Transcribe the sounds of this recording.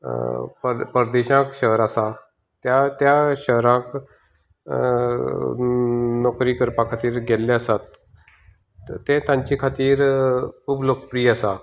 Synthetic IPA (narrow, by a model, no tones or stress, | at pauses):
pəpəɾd̪eɕãkɕəɦəɾasa | t̪jat̪jaɕəɦɾãk | nɔkɾiːkəɾpãkʰat̪iːɾɡelːeəsat̪ | t̪ːẽt̪ãɲt͡ɕikʰat̪iːɾkuːblokpɾiːasa